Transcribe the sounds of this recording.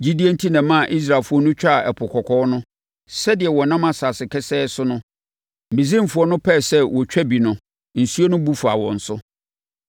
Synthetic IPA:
d͡ʑi˦di˦e˦n̩˦tʰi˦nã˨mã˦˨ʔi˦s̬ɾa˨lfʊ˦ɔ˦nʊ̃˦t͡ɕᶣa˦˨ʔɛ˨pʰʊ˨kʰɔ˨kʰɔː˦nʊ̃˦ | sɛ˦dɪ˨ɛ˨wɔ˨nã˦mã˦sa˨sɪ˨kʰɛ˦sɛː˦sʊ˦nʊ̃˦ | m̩˨bĩ˨zĩ˦m̩˨fʊ˨ɔ˦nʊ̃˦pʰɛ˦˨sɛ˦wɔ˨t͡ɕᶣɛ˦bi˨nʊ̃˨ | n̩˨su˦o˦nʊ̃˦bu˦fa̰˨wɔ̰̃˨n̩˨sʊ˦

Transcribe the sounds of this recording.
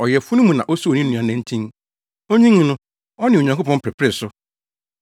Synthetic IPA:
ɔ˨jɛ˨fʊ˦nʊ̃˦mũ˨nã˨ʔo˦su˦o˨nĩ˦nũ˨ã˨næ̃˦n˦tʰĩ˦n | o˦ɲĩ˦ŋ˦nʊ̃˦ | ɔ˦nɪ̃˨o˨ɲã˨ŋkʰo˦pʰɔ̃˦m˦pʰɾɪ˨pʰɾɪ˦˨sʊ˦

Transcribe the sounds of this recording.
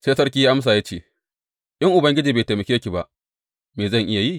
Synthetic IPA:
seː˦sɐ˦rkʲi˦ji˦ʔa˦ms̬aː˨jaː˦t͡ʃeː˦˨ | ʔɪ˦ŋʔʊ˨bɐ˦ŋɡʲɪ˦d͡ʒiː˨beː˨te˨mɐ˨kʲeː˦kʲi˨ba˦˨ʔ | meː˨zɐ˦˨ŋʔɪ˦ja˨ji˦

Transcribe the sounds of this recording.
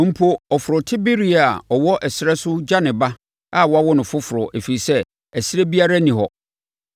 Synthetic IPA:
m̩˦pʰo˦ɔ˨fʊ˨ɾʊ˨tʰɪ˦be˦ɾi˨a˨ɔ˨wɔ˦ʔɛ˨sɪ˨ɾɛ˦sʊ˦d͡ʑa˦nɪ̃˨ba˦ | a˦˨wɔ˦a˦wɔ˦nʊ̃˨fʊ˦fʊ˨ɾʊ˨ʔe˨fi˨i˨sɛ˦ | æ˨sɪ˦ɾe˦bi˦a˦ɾa˦nĩ˨ɦɔ˨

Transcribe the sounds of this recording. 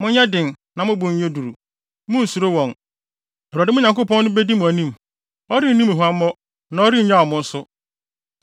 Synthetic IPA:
mʊ̃˦ɲɲɛ̃˦dɪ̃˨n | nã˨mʊ̃˦bʊ̃˨ɲ˦ɲe˦du˨ɾu˨ | mʊ̃˦n̩˨su˨ɾo˦wɔ̃˨n | ɛ˨a˨dɪ˦mʊ̃˦ɲã˨ŋkʊ˦pɔ̃˦nːʊ̃˦be˦di˦mʊ̃˨æ˨nĩ˦m | ɔ˦ɾi˦˨nĩ˦mæ˨ɦu˨a˦mː˦ɔ˦ | nã˨˦ɔ˦ɾi˦˨ɲã˦˨ɔ˨mʊ̃˦n̩˦sʊ˦

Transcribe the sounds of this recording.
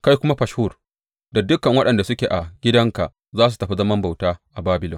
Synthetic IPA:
ka˦jkʷʊ˦ma˦ɸɐ˨ʃhu˦˨r | da˨dʊ˦kɐ˨ŋwɐ˦ɗɐ˨nda˨sʊ˦kʲeː˨ʔa˨ɡʲɪ˦dɐ˦ŋka˨ʔ | zaː˦s̬u˨tɐ˨ɸi˦zɐ˦mɐ˦mba˨wtaː˦ʔa˨baː˦bɪ˨lɔ˨

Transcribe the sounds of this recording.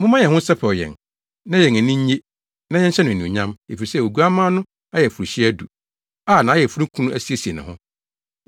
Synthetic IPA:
mʊ̃˦mã˦jɛ˨hʊ̃˦sɛ˦pʰɛ˨ɔ˨jɛ̰˨n | nã˦jɛ˨æ˨nĩ˦ɲ˦e˦ | nã˦jɛ˦ɲ˦ɕʰɛ˦nʊ̃˨nũ˨ɲã˦me˨fi˨ɾi˨sɛ˦˨o˨ɡu˦a˦mã˦nʊ̃˦ | a˦jɛ˨fu˨ɾi˨ɕi˦æ˦du˨ | aː˦˨nã˨˦jɛ˨fu˦ɾũ˦kʰũ˦nũ˦ʔæ˦si˦e˨si˨e˨nʊ̰̃˨hʊ̰̃˦

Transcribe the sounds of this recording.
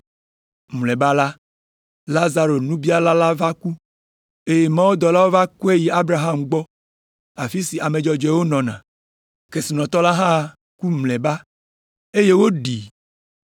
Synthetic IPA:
m˨lɛ̃˨ba˦la˦ | la˦za˨ɾo˨nũ˦bi˦a˦la˦la˦va˦ku˦ | e˦je˨mã˦wo˦d̪ɔ˨la˦wo˦va˦kɔ˦e˦ji˨a˦bɾa˨ɦa˦mɡ͡bɔ˦ | a˨fi˦si˨a˨mẽ˨d͡ʒɔ˨d͡ʒɛ˨wo˦nɔ̃˨nã̰˨ | ke˨si˨nɔ̃˨t̪ɔ˦la˦ɦã˦˨ | ku˦mlɛ̃˨ba˦ | e˦je˦wo˦ɖi˨

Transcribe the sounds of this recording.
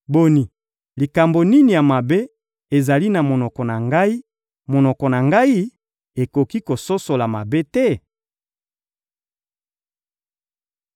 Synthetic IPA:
bo˨ni˨ | li˨ka˨mbo˨ni˦ni˨ja˨ma˨be˦ | e˨za˨li˦na˨mo˨nɔ˨kɔ˨na˨ŋɡa˦i˦ | mo˨nɔ˨kɔ˨na˨ŋɡa˦i˦ | e˨ko˨ki˦ko˨so˦so˨la˨ma˨be˦tɛ˦

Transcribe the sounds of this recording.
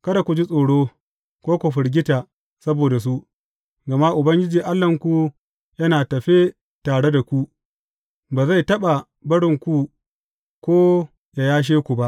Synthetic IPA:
kɐ˦da˨kʷu˨d͡ʒi˦sʼoː˨ɽoː˦ | kʷoː˦kʷʊ˨ɸɪ˨ɽɡʲɪ˦taː˨ | sɐ˦boː˨da˨s̬u˦ʔ | ɡɐ˨ma˦ʔʊ˨bɐ˦ŋɡʲɪ˦d͡ʒiː˨ʔa˦lːɐ˨ŋkʷu˨ | jɐ˦naː˨tɐ˨ɸe˦ | taː˨ɽe˦da˨kʷu˦ | baː˨za˦˨jtɐ˦ɓa˨ | bɐ˦ɽɪ˨ŋkʷu˦ | kʷoː˦ | ja˨jaː˦ʃ̬eː˦kʷu˨ba˦ʔ

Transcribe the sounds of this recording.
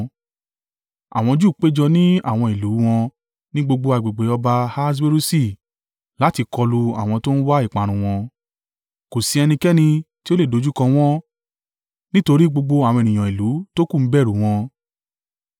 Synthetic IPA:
a̰˨w̃ɔ̃˧d͡ʒu˦˨k͡pe˦d͡ʒɔ˧nĩ˦a̰˦˨w̃ɔ̃˧i˨lu˨˦w̃ɔ̃˧ | nĩ˦ɡ͡bo˧ɡ͡bo˧a˧i˨ɡ͡be˨ɡ͡be˨˦ɔ˧ba˧ha˦s̬we˦ɾu˦si˦˨ | la˨˦ti˧kɔ˧lu˧a̰˦˨w̃ɔ̃˧to˦n̩˦wa˦i˦˨k͡pã˨˦ɾ̃ũ˧w̃ɔ̃˧ | ko˨si˧˦ɛ˧nĩ˧kɛ˦nĩ˧ti˦o˦le˦˨do˨˧˦d͡ʒu˦kã˧w̃ɔ̃˦ | nĩ˦to˧ɾi˦ɡ͡bo˧ɡ͡bo˧a˨w̃ɔ̃˧e˨nĩ˨j̃ɔ̃˨i˨lu˨˦to˦kũ˦˨m̩˦bɛ˦˨ɾu˨˦w̃ɔ̃˧

